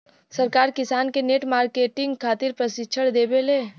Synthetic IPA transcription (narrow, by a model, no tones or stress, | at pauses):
sɐɾkaːɾkɪsaːnkeneːʈmaːɾkeːʈɪ̃ŋɡkʰaːt̪ɪɾpɾɐsɪtːʃʰəɽd̪eːbeleː